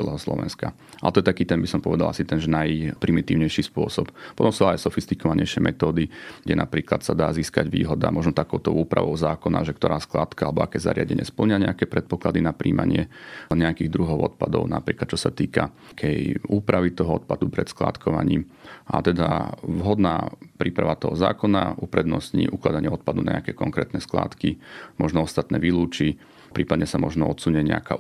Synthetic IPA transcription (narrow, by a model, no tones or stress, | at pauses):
ɛlɛːɦɔslɔ̰ʋɛ̰nska | ʔalɛt̪ɔjɛt̪akiːt̪ɛmbisɔmpɔʋɛd̪alˠa̰sit̪ɛnʒɛnajpɾimit̪iːʊɲɛjʃiːspʊɔsɔppɔt̪ɔmsuʊajsɔfist̪ikɔʋaɲɛ̰jʃɪɛmʔɛ̰t̪ɔːd̪iɡɟɛnapɾiːklat̪sad̪aːziːskaɟʋḭːɦɔd̪a̰mɔʒnɔt̪akɔʊt̪ɔʊuːpɾʔa̰ʋɔʊzaːkɔna̰ʒɛkt̪ɔɾaːsklaːt̪kaalɛbɔakɛːza̰ɾɪaɟɛɲɪɛ̰spl̩ɲɪaɲɛakɛpɾɛt̪̚pɔklad̪inapɾʔḭːma̰ɲɪɛ̰ɲɛakiːɣd̪ɾuɦɔʊɔt̪̚pad̪ɔʊnapɾiːklat̪̚t͡ʃɔsat̪iːkakʰɛjuːpɾaʋit̪ɔɦɔɔt̪̚pad̪upɾɛt̪skla̰ːt̪kʰɔʋa̰ɲiːm | ʔa̰t̪ɛd̪a̰ʋɦɔd̪na̰ːpɾiːpɾaʋat̪ɔɦɔza̰ːkɔna̰ʔupɾɛd̪nɔsɲḭʔuklad̪aɲɪɛɔt̪̚pad̪unaɲɛ̰akɛkɔŋkɾɛ̰ːt̪nɛskla̰ːt̪kimɔʒnɔɔst̪at̪nɛːʋiluːt͡ʃi | pɾiːpad̪ɲɛsamɔʒnɔɔt̪suɲɛɲɛ̰aka